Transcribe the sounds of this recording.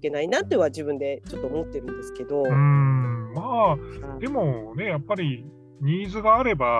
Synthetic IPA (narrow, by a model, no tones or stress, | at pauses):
ike̞nainat̪ːoiβad͡ʑɨbɯ̟̃nd̪e̞t͡ɕo̞t̪ːoːmo̞t̪ːe̞ɾɯ̟̃nd̪e̞sɨ̥ke̞d̪o̞ɯ̃maːd̪e̞mo̞ne̞japːaɾʲi | ɲ̟iːzɨɡaːɾe̞ba